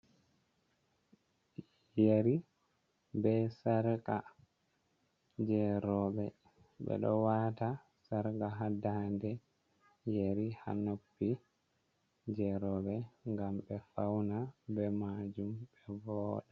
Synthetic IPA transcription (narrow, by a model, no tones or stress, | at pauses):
jeɾi | bɛsaɾka | d͡ʒɛɾɔɓɛ | ɓɛ̰ɗɔ̰wata | saɾɡaɦadandɛ | jeɾiha̰nopːi | d͡ʒɛɾɔɓɛŋɡamɓɛfawnabɛmad͡ʒumɓɛvɔːɗa